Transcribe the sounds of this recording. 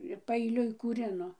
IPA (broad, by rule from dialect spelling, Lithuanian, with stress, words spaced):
ɪr pɐɛɪˈlʲʊɪ kuːˈrʲɪnoː